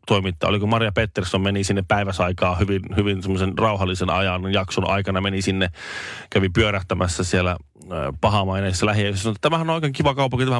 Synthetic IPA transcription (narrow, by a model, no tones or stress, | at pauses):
t̪oimit̪ːɑ̰ːo̰likumɑrjɑpet̪ːersommenisinːeppæiʋæsɑikɑːhyʋinhyʋinsemːosenrɑuɦɑlːisenɑ̰jɑnjɑksonʔɑ̰ikɑnɑmenisinːekæʋipyøɾæht̪æmæsːæsielæ̰ | pɑɦɑmɑineːsisːɑlæɦiæsɑnoet̪ːæt̪æmæhænonoikeːŋkiʋɑkɑupːɑkut̪æmæhæ